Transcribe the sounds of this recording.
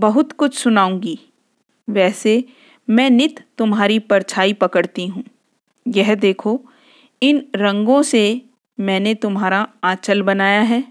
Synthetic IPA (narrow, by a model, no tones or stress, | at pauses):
bɐɦʊt̪kʊt͡ʃʰsʊnaːũːŋɡiː | ʋɛːse | mɛ̃ːnɪt̪ːʊmɦaːɾipɐɾt͡ʃʰaːipɐkəɽt̪iɦũː | jɛɦd̪eːkʰo | ɪnɾɐ̃ŋɡõse | mɛ̃ːnet̪ʊmɦaːɾaaːt͡ʃəlbɐnaːjaɦɛː